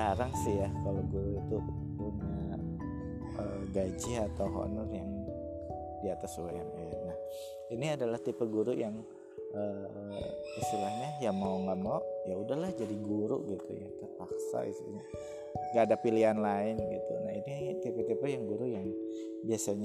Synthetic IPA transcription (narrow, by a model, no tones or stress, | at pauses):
aɾaŋsɪhjakalawɡuɾuit̪u | uŋa | əɡad͡ʒɪat̪awɦo̰nɔrjaŋ | diat̪asuaanaanah | iniadalaht̪ipəɡuɾujaŋ | ə | ist̪ilahɲajamauŋɡaʔmauʔjaudahlahd͡ʒadiɡuɾṵʔɡit̪ṵja̰t̪əpaksa̰i | ŋɡaːdapilianlaɪnɡit̪ṵnahinit̪ipət̪ipəjaŋɡuɾujaŋ | biasaɲ